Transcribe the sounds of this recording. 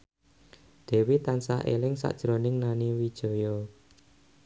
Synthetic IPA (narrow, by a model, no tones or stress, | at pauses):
d̪̥ɛ̤wit̪ansa̰ʔḛlɪŋsa̰ʔd̥ʒ̥ɾonɪŋnaniwid̥ʒ̥ɔ̤jɔ